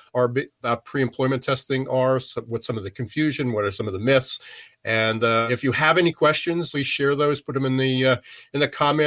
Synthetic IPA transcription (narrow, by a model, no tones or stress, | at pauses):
ə˞bapʰɹ̥iɨ̃mpʰl̥ɔ̃ɪ̃mɨ̃ntʰɛstɪ̃ŋə˞swʌtsʌ̃mʌvðɨkʰɨ̃ɱfjʉʒɨ̃nwʌɾə˞sʌ̃mʌvðəmɪθsʔɨ̃nɪfjɨəvɛnikʰw̥ɛst͡ʃɨ̃nz̥li̥ʃɛɹðoʊz̥pʰʊɾ̚ɨ̃mɨ̃nðiɨ̃nðɨkʰɑmɛ̃